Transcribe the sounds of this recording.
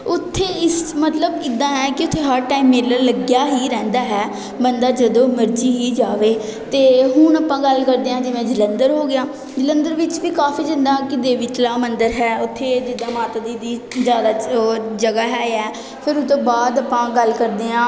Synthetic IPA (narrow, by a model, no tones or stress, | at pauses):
ʊt̪ʰːeːɪsmət̪ləbɪd̪ãːɦɛːkɪʊt̪ʰːeːɦəɾʈaːiːmːeːlələɡjaːɦiːɾɛ̃ːnd̪aːɦɛː | bənd̪aːd͡ʒəd̪õːməɾd͡ʒiːɦiːd͡ʒaːʋeː | t̪eːɦʊnapãːɡəlkəɾd̪eːãːd͡ʒɪʋẽːd͡ʒɪlənd̪əɾɦoːɡɪjaː | d͡ʒɪlə̃nd̪əɾʋɪt͡ʃʋiːkaːfiːd͡ʒə̃nd̪aːkɪd̪eːʋiːt̪laːmənd̪əɾɦɛːʊt̪ʰːeːd͡ʒɪd̪aːmaːt̪ːd̪iːd̪iː | d͡ʒjaːd̪aːd͡ʒəɡaːɦɛːɛː | pʰɪɾʊt̪ːõːbaːd̪əpãːɡəlkəɾd̪eːãː